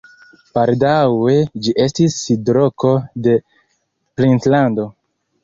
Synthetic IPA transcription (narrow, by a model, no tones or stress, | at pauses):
paldawe̞d͡ʒiʔe̞stisidɾo̞ko̞de̞ | plintlando̞